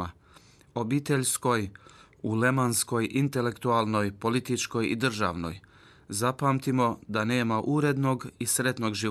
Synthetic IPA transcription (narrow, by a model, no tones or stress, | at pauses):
a | o̞biːt̪e̞ʎsko̞j | ule̞mansko̞jʔint̪e̞le̞kt̪ualˠno̞jpo̞lit̪it͡ʃko̞jḭd̪r̩ʒa̰ʋno̞̰j | zapaːmt̪imo̞d̪ane̞ːmaʔuɾe̞d̪no̞ɡisɾe̞t̪no̞ɡʒi